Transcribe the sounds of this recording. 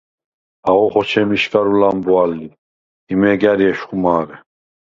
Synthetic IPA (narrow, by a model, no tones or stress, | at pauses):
aɣɔχɔt͡ʃʰɛmiʃkʼaɾulambualːi | imɛɡaɾiɛʃχumaːɣɛ